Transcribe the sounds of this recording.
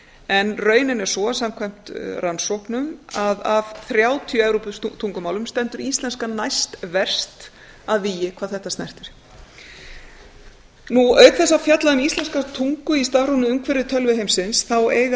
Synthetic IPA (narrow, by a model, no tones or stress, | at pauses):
ɛnrœːɥnɪnɛɾ̥sɔsam̥kʰvajm̥t̪ransɔhknʏmaðavθɾjaːwt̪ʰijɛvɾupst̪ʰuŋkʏmaːwlʏmst̪ɛnt̪ʏɾist̪lɛnskanajst̪vɛr̥st̪ | aðviːjɪkʰvaːðθɛht̪ast̪ɛr̥t̪ɪɾ̥ | nuœːɥk̪θɛsːafjat̪laðʏmist̪ɛnskat̪ʰuŋkʏist̪avɾunʏʏmkʰvɛɾɪt̪ʰœlvɪɦejmsɪnsθaweːjɣa